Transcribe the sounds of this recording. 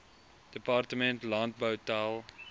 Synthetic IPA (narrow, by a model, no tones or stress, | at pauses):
d̥əpɑrtəmɛntlɑnt̚bəwtælˠ